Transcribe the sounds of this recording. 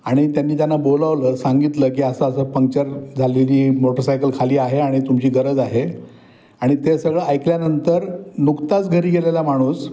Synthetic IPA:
aɽ̃it̪janːiːt̪janːabolaʋləːsaŋɡit̪ləːk̬iːəsəːsəːpəŋk̚t͡ɕəɾd͡zʱaleliːmoʈəɾsajkəlkʰaliːaɦeaɽ̃it̪umt͡ɕiːɡəɾəd͡zaɦe | aɽ̃it̪esəɡɭəajkljanənt̪əɾnukt̪at͡sɡʱəɾiːɡelelam̤aɽ̃uːs

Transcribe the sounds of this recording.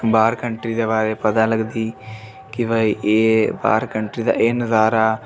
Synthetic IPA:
baːɾkəɳʈɾiːd̪eːbaːɾeːpəd̪ãːləɡd̪iː | kɪbəiʔeːba̰ːɾkəɳʈɾiːd̪a̰ːʔeːnəzaːɾaː

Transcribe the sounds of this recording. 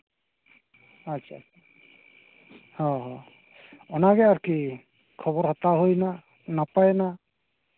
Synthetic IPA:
at͡ʃʰat͡ʃʰa | hɔ̃ɦɔ̃ | ɔnaɡɛaɾki | kʰɔbɔɾɦɔt̪aɦojna | napajena

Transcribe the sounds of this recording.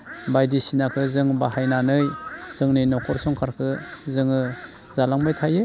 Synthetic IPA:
bajdisinakʰɯzɯŋbaɦajnanɯjz̥ɯŋnɯjnɔkʰɔɾsɔŋkʰaɾkʰɯzɯŋɯ | zalaŋbajtʰaje

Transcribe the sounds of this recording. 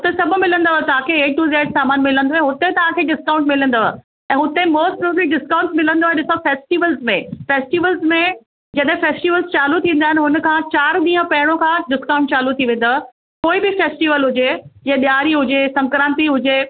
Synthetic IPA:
ɦʊt̪esɐbʱʊmɪlə̃nd̪oɦt̪ɐʋ̤ãkʰeeːʈ̚ːuːzeːʈsaːmaːnmɪlə̃nd̪oːẽɦʊt̪et̪ɐʋ̤ãkʰeːɖɪskãːʊ̃ɳʈmɪlə̃nd̪o | ɛ̃ːɦʊt̪emoːsʈ̚pɾubliɖɪskãːʊ̃ɳʈmɪlə̃nd̪oːaɗɪsofeːsʈiʋəlzmẽfeːsʈiʋəlzmẽ | d͡ʑɐɗɦɪ̃feːsʈiʋəlzt͡ɕaːlut̪ʰĩːnd̪aːɦɪnɪɦʊnə̆kʰãt͡ɕaːɾɗ̪ĩːə̃pɐɦɪɽ̃õkʰãːɖɪskãːʊ̃ɳʈ̚t͡ɕaːlut̪ʰiʋẽːn̆d̪o | koːibɪfeːsʈiʋəlɦʊd͡ʑed͡ʑẽːɗijaːɾiɦʊd͡ʑesɐ̃ŋkɾãːnt̪iɦʊd͡ʑe

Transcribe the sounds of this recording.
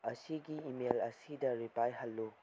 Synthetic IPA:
ɐsiɡiimelɐsidɐɾipajɦɐlːu

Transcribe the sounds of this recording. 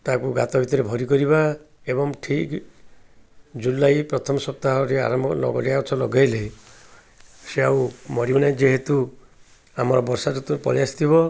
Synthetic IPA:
t̪akuɡa̰t̪ɔbʱit̪ɔɾebʱɔɾikɔɾiba | ebɔŋʈʰik | d͡ʒulajpɾɔt̪ʰɔmɔsɔp̚t̪aɦɔɾea̰ɾɔmɔlɔ̰ɡɔ̰lijaɔt͡ʃʰɔlɔɡajle | seaumɔɾibɔɽ̃ed͡ʒeɦet̪u | amɔɾɔbɔɾsad͡ʒut̪upɔ̰ɾjasi̥t̪ʰibɔ

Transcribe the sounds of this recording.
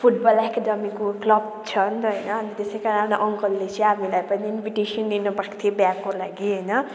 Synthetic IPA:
pʰuʈbʌlekdʌmikoklʌb̚ | t͡sʰʌnt̪ɦʌjnʌːnit̪esejkaɾinapnaʔʌŋkʌlːet͡sʌ̃amilajpʌniinbʱiʈesʌnd̪inʌpakt̪ʰiebjaɡkolaɡiɦʌjnʌ

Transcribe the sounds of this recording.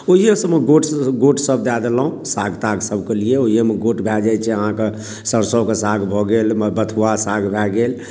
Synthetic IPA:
oijesəmeɡoʈɡoʈsəb̚d̪ad̪elaɦũsaɡʱt̪aɡsəbʱkelieoijemeɡoʈbʱɛd͡ʒajt͡ʃʰɛəɦãke | səɾsɔkesaɡʱbʱɔɡelmbət̪ʰuwasaɡʱbʱɛɡel

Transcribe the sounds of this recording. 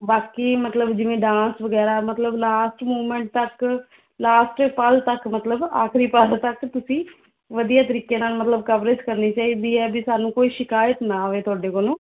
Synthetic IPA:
baːkiːmət̪ləbd͡ʒɪʋẽːɖãːnsʋəɡɛːɾaːmət̪ləblaːsʈmuːmə̃ɳʈ̚t̪ək | laːsʈpəlt̪əkmət̪ləba̰ːkʰɾiːpəlt̪əkt̪ʊsĩː | ʋəd̪ijaːt̪əɾiːkeːnaːlmət̪ləbkəʋɾet͡ʃkəɾniːt͡ʃaːiːd̪iːɛːbɪsaːnũːkoːiːʃɪkaːjət̪naːʋeːt̪ʊaːɖeːkoːlõː

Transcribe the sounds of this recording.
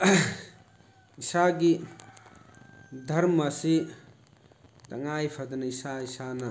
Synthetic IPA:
isaɡi | dʱɐɾmɐsi | t̪ɐŋajpʰɐd̪ɐnɐisaisanɐ

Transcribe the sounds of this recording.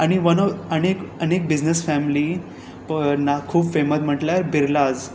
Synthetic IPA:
aɽ̃iʋənɔənekənek̚bid͡znəsfæmli | pnakʰuːbfemət̪m̤əʈlaɾbiɾlad͡z

